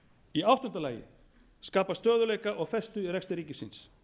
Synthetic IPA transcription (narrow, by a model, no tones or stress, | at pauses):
iawht̪ɔnt̪alaːjɪ̰ | skaːpast̪œːðʏleːjkaʔɔɣfɛst̪ʏiɾɛkst̪ɪɾiːcɪsɪns